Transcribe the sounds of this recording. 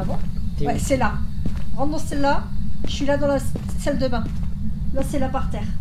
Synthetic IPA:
vɔ̃wasɛlaʁɑ̃d̪ɔ̃sɛlːaə̥ʃɥilad̪ɑ̃lasald̪əmɛ̃lasɛlapaʁt̪ɛːʁ

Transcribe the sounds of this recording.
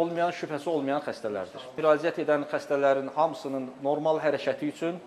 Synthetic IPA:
olˠmɑjɑnʃypʰæsiolˠmɑjɑnχæst̪ælæ̰ɾd̪iɾ̥yɾɑːzijæt̪e̞d̪ænχæst̪ælæɾinhɑmɯsɯnɯnːo̞ɾmɑlˠɦæɾæcʰæt̪ʰiyt͡ʃʰyn

